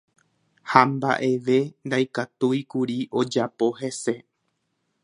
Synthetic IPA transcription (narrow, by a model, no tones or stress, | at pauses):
hamba̰ʔe̞ʋe̞nd̪ajkat̪ujikuɾiʔo̞d͡ʒapo̞ɦe̞se̞